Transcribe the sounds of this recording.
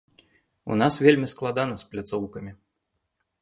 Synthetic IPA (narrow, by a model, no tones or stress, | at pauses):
ṵnasvʲelʲmʲisklˠad̪anɐsplʲat̪sɔwkɐmʲi